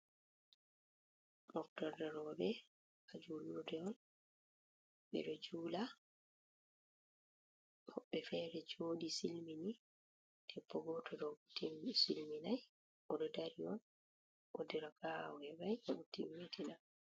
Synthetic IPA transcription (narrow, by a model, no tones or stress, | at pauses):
dɔktɔɾdɛɾɔbɛ | kad͡ʒuludɛɔn | ɓɛ̰ɗɔd͡ʒuːla | hɔɓːɛfɛɾɛd͡ʒoːdisilmini | tʰɛpːɔɡɔtʰɔdɔbutʰːimsilminaj | ʔɔdɔdaɾiɔn | ʔodiɾakaɔɛbajʔabutːimwetʰina